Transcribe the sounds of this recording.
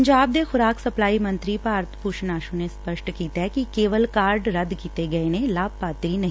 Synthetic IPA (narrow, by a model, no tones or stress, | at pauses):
ɲd͡ʒaːb̚d̪exʊɾaːksɐplaːimɐ̃nt̪ɾipaəɾt̪ʰpuːʃnaːʃũnespəʃʈkiːt̪aɦkikeːʋəlkaːɾɖɾɐd̪kiːt̪eɡɐenẽlaːb̚paːt̪ɾinɐɦi